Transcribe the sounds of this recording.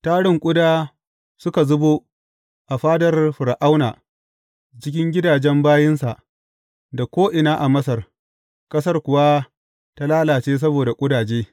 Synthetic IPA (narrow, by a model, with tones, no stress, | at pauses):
taː˦ɽɪ˨ŋkʷʼʊ˦daː˦ | sʊ˦ka˨zʊ˦bo˦ | ʔa˨ɸaː˦dɐ˨rɸʊ˨ɾa˨ʔa˦wna̰ː˨ | t͡ʃɪ˦kʲɪ˦ŋɡʲɪ˦daː˨d͡ʒɛ˦mbaː˦jɪ˦nsa˨ʔ | da˨kʷoː˦ʔɪ˨naː˦ʔa˨mɐ˦sɐ˨r | kʼɐ˦sɐ˦rkʷʊ˨wa˦ | ta˦laː˦laː˨t͡ʃeː˦s̬ɐ˦boː˨da˨kʷʼʊ˦daː˨d͡ʒeː˦